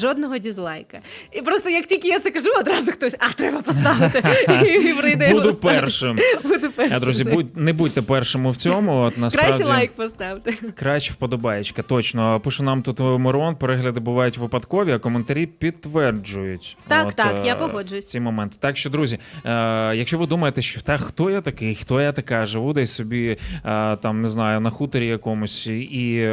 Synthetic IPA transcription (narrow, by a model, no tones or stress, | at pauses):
ʒɔd̪nɔɦɔdʲizlˠɑjkɐipɾɔst̪ɔjɐk̚tʲilʲkʲɪjat̪sɛkɐʒuɔd̪ɾɑzʊxt̪ɔsʲɐt̪ɾɛbɐpɔst̪ɑʋɪt̪ɪiʋɾɪjd̪ɛbud̪ʊpɛrʃɪmbud̪ʊpɛad̪ɾuzʲibudʲnɛbutʲt̪ɛpɛrʃomʊwt͡sʲɔmʊɔt̪nɐskɾalˠajk̚pɔst̪ɑwt̪ɪkɾaʃt͡ʃɪwpɔd̪ɔbɑjɪt͡ʃkɐt̪ɔt͡ʃnɔpɨʃʊnɑmt̪ut̪mɔɾɔnpɔɾɛɦlʲɐd̪ɪbʊʋɑjʊtʲʋɪpɐd̪kɔʋʲiɐkɔment̪ɐɾʲipʲid̪̚t̪ːʋɛrd͡ʒʊjʊt̪ʲaot̪akjapɔɦɔd͡ʒʊjʊsʲt͡sʲimɔmɛnt̪ɪ̥t̪ɑkʃt͡ʃɔd̪ɾuzʲi | jɐkʃt͡ʃɔʋɪd̪umɐjet̪ɛʃt͡ʃɔt̪ɛxt̪ɔjat̪ɐkɪxt̪ɔjat̪ɐkɑʒɪʋud̪ɛjsʲsɔbʲi | t̪ɑmnɪznɑjʊnɐxut̪ɔɾʲijɐkɔmʊsʲi